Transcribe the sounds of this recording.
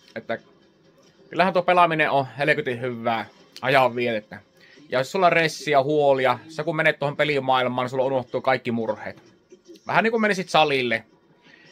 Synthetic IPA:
et̪ːæ | kylːæhænt̪uopelɑmineʔohelekyt̪ihyʋːæː | ʔɑjɑʋʋielet̪ːæ | jɑsulːɑresːiɑhuolijɑsekummenet̪uohompelimɑˑilmˑɑːnisulːɑunoht̪ːˑuːkɑˑikːimurhˑḛːt̪ | ʋæ̰hæniːŋkumenesit̪sɑlilːe

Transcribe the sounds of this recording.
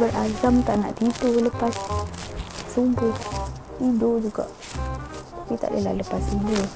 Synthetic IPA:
bərʔad͡ʒamt̪aʔnaʔdidoləpas | sumbʊt | idod͡ʒuɡa̰ʔ | t̪apit̪a̰ʔdəla̰ləpasido

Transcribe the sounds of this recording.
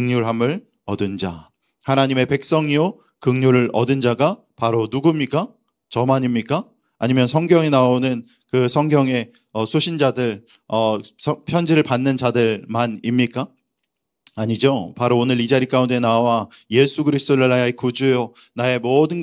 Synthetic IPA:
ɯŋɲoɭɦamɯɭ | ʌdɯnd͡ʑa | hanaɲime̞pe̞k̚s͈ʌŋio | kɯŋɲoɾɯɭʔʌdɯnd͡ʑaɡa | paɾonuɡumɲik͈a | t͡ɕʌmaɲimɲik͈aː | ɲimjʌnsʰʌŋɡjʌŋinaonɯn | kɯsʰʌŋɡjʌŋe̞ | ʌsʰoɕʰind͡ʑadɯɭ | ʌsʰʌpʰjʌnd͡ʑiɾɯɭpanːɯnd͡ʑadɯɭmanimɲik͈a | aɲid͡ʑopaɾoːnɯɾid͡ʑaɾik͈aunde̞nawaje̞sʰuɡɯɾisʰt͈oɾɯɭajaekud͡ʑujonae̞mʌdɯnɡ

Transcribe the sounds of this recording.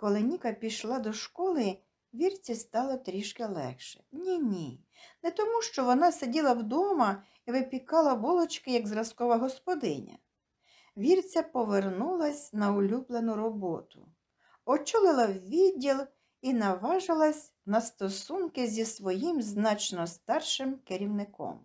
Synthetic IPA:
kɔlˠɪnʲikɐpʲijʃlˠɑd̪ɔʃkɔlˠɪ | ʋʲirt͡sʲist̪ɑlˠɔt̪ɾʲiʃkelˠɛ̰xʃɛ̥nʲinʲi | nɛt̪ɔmuʃt͡ʃɔʋɔnɑsedʲilˠɐwd̪ɔmɐ | iʋɪpʲikɑlˠɐʋɔlˠɔt͡ʃkɪjɐɡzrɐskɔʋɐɦɔspɔd̪ɪ̰nʲɐ̰ | ʋʲirt͡sʲɐpɔʋernulˠɐsʲnɐʊlʲublˠenʊɾɔbɔt̪ʊ | ɔt͡ʃulˠɪlˠɐwʋʲidʲːilˠ | inɐʋɑʒɪlˠɐsʲ | nɐst̪ɔsunkɪzʲisʋɔjimznɑt͡ʃnɔst̪ɑrʃɪmkeɾʲiwnɪkɔ̰m

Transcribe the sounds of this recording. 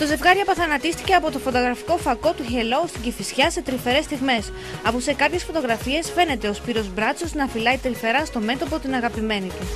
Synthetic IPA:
t̪oze̞vɣɐɾiɐpɐθɐnɐt̪ist̪ice̞ɐpo̞t̪o̞fo̞t̪o̞ɣɾɐfi̥ko̞fɐko̞t̪uçe̞lo̞st̪iɟiθisçɐse̞t̪ɾife̞ɾe̞st̪iɣme̞s | ɐpose̞kɐpçe̞sfo̞t̪o̞ɣɾɐfie̞sfe̞ne̞t̪e̞ospiɾo̞zbɾɐt͡so̞znɐfilɐit̪ɾife̞ɾɐst̪o̞me̞t̪o̞pot̪inɐɣɐpime̞nit̪is

